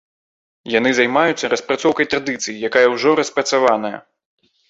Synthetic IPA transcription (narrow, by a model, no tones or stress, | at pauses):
jan̪ɨzajmajut̪sːɐɾɐspɾat̪sɔwkɐjt̪ɾad̪ɨt̪sɨjijakajɐwʐɔɾɐspɾɐt̪savanɐjɐ̰